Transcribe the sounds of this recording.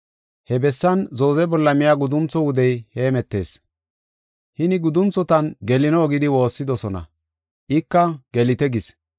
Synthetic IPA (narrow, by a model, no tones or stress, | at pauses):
hɛbɛsːɐnzo̞ːzɛbɔlːɐmɪjaːɡʊd̪ʊmt͡sɔwʊd̪ɛjheːmɛt̪ːe̞̰ːs | hɪnɪɡʊd̪ʊmt͡sːɔt̪ɐnɡɛlɪnoːɡɪd̪ɪwo̞ːsːɪd̪ɔsɔnɐ̰ | ʔɪkːɐɡ̥ɛlɪt̪ɛɡɪs